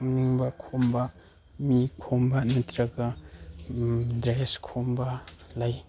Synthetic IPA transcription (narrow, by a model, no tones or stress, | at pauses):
mniŋbɐkʰomba | mikʰombanitɾɐɡa | dɾeskʰombɐlaj